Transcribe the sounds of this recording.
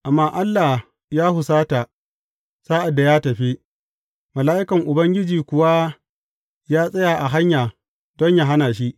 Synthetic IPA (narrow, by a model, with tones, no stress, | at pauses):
ʔa˨mːaː˦ʔa˦lːa˨ | jaː˦hʊ˨saː˦ta˨ | saː˦ʔa˨dːa˨jaː˦tɐ˨ɸi˦ | mɐ˨laː˦ʔɪ˦kɐ˨ŋʔʊ˨bɐ˦ŋɡʲɪ˦d͡ʒiː˨kʷʊ˨wa˦ | jaː˦sʼɐ˦ja˨ʔa˨ɦa˦ɲjaː˨ | dɔ˦ɲja˦ɦa˦naː˨ʃ̬i˦ʔ